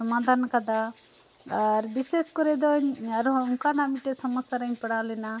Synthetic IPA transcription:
sɐmaːd̪ʱaːnɐkɐd̪a | ɾibiseskoɾed̪onɐɾouŋkaːnɐmiʈesɐmɐsɐɾɐnpɐɽaːlina

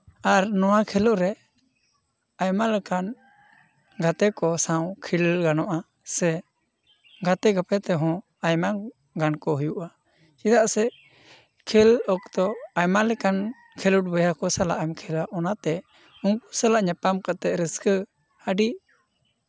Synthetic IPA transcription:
aɾnɔwakʰɛlɔʔɾɛ | ajmalɛkan | ɡat̪ɛkɔsãwkʰilɡanɔʔa | sɛ | ɡat̪ɛɡapɛt̪ɛɦɔ̃ | ajma | ɡankɔɦujuʔa | t͡ʃid̪aʔsɛ | kʰɛlɔkt̪ɔajmalɛkan | kʰɛluʈ̚bəjakɔsala̰ʔamkʰɛlaʔɔnat̪ɛ | uŋku̥salaʔɲapamkat̪ɛʔɾəskə | həɖi

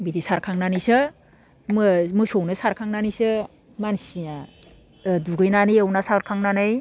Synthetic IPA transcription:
bidisaɾkʰaŋnanisɯ | mɯmɯsownɯsaɾkʰaŋnanisɯ | mansina | duɡɯjnaniewnasaɾkʰaŋnanɯj

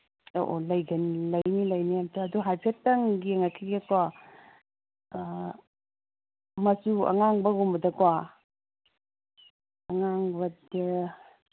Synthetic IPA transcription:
o̰ʔo̰lɐjɡɐnlɐjnilɐjniamtʰaːduɦajpʰetɐŋɡieŋakʰiɡekwa | mɐsuɐ̰ŋaŋbɐɡumbɐdɐkwa | ɐŋaŋbɐdɐ

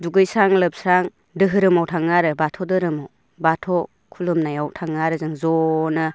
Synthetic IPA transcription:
duɡɯjsaŋlɯp̚sɾaŋ | dɯɦɯɾɯmawtʰaŋːaɾɯbatʰɔdɯɾɯmaw | batʰɔ | kʰulɯmnajawtʰaŋːaɾɯzɯŋzɔnɯ

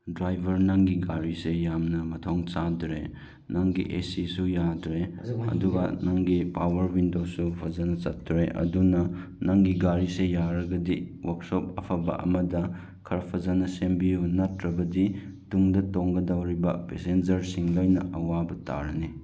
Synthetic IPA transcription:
dɾajbʱɐɾnaŋɡiɡaɾisejamnɐmɐtʰoŋt͡ʃadɾḛ | naŋɡḭʔesisujadɾeɐ̰duɡɐ̰naŋɡipawɐɾbindosupʰɐzanɐt͡ʃɐtːɾeʔɐ̰dunɐ | naŋɡiɡaɾisejaɾɐɡɐdiwɐk̚sopɐ̰pʰɐbɐ̰ʔɐ̰mɐdɐ | kʰɐɾɐpʰɐzanɐsembiunɐtɾɐbɐdituŋdɐtoŋɡɐdɐwɾibɐpesend͡ʒɐɾsiŋlojnɐʔɐwabɐta̰ɾɐne

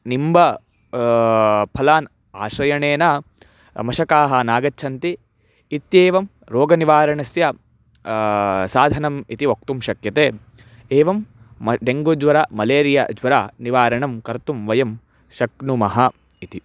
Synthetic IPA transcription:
nimbɐ | pʰɐlaːn | aːʃɾɐjɐɳeːnɐ | mɐʃɐkaːɦɐnaːɡɐtːt͡ʃʰɐnt̪iː | t̪jeːʋɐm | ɾoːɡɐniʋaːɾɐɳɐsjɐ | saːd̪ʱɐnɐmit̪iok̚t̪umʃɐkjɐt̪eː | eːʋɐm | ɖeŋɡod͡ʒʋɐɾamɐleːɾijɐ̰d͡ʒʋɐɾaːniʋaːɾɐɳɐmkɐɾt̪umʋɐjɐm | ʃɐknumɐɦɐ | it̪i

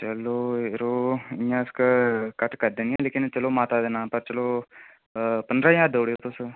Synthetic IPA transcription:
t͡ʃəloːɾoːɪjãːskkəʈkəɾd̪eːnɪjãːleːkɪnt͡ʃəloːmaːt̪aːd̪eːnãːpəɾt͡ʃəloː | pənd̪ɾãːjaːd̪oːɽeoːt̪ʊs

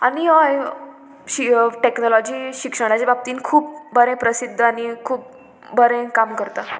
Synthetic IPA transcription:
aniɦɔ | ɕiʈeknɔlɔd͡ʑiːɕikʂəɽ̃at͡ɕabab̚t̪iːnkʰuːp̚bəɾẽpɾəsid̪ʱːəaɽikʰuːp̚ | bəɾẽkamkəɾt̪a

